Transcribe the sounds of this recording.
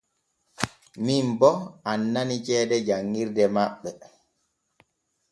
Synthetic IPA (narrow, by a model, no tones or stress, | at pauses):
mimbɔanːanit͡ʃɛːɗɛd͡ʒaŋːiɾdɛmaɓːɛ